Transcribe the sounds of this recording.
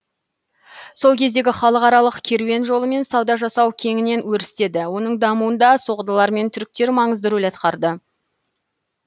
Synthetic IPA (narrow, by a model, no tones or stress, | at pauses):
so̞lˠkʲʰe̞zd̪e̞ɡʲɪχɑlˠəqɑɾɑlˠəqkʲʰe̞ɾwe̞nʒo̞lˠəme̞nsɑwd̪ɑʒɑsɑwkʲʰe̞ŋʲɪne̞nwɵɾɪst̪e̞d̪ɪwo̞nəɴd̪ɑmuwənd̪ɑso̞ʁəd̪əlˠɑɾme̞nt̪ʰʏɾɪk̚t̪e̞ɾmɑɴəzd̪əɾulɑt̪qɑɾd̪ə